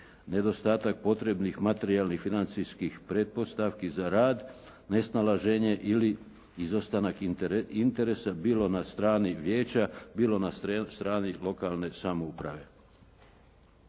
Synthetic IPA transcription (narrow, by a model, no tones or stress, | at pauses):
ne̞d̪o̞st̪aːt̪ak̚po̞t̪ɾe̞bnixmat̪e̞ɾialnixfinant̪sijskixpɾe̞d̪̚po̞st̪aʋkizaɾaːd̪ | ne̞snalaʒeɲe̞ʔili | izost̪anakint̪e̞ɾe̞sabiːlo̞nast̪ɾaːniʋje̞ːt͡ɕabiːlˠo̞nast̪ɾaːnilo̞kalˠne̞samoupɾa̰ʋe̞